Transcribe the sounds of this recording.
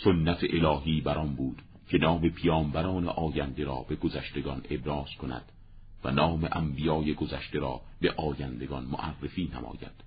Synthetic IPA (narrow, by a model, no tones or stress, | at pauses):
sonːæt̪ʰeʔelɒːɦiːbæɾɒnbuːd̪̥ | cʰe̞nɒːme̞pʰijɒːmbæɾɒːnḛʔɒːjænd̪e̞ɾɒːbe̞ɡozæʃt̪e̞ɡɒne̞bɾɒːz̥kʰonæ̰d̪̥ | væ̰nɒːmeʔæmbijɒːje̞ɡozæʃt̪e̞ɾɒ̰ː | be̞ʔɒːjænd̪e̞ɡɒnmoʔærːefiːnæ̰mɒ̰ːjæ̰d̪̥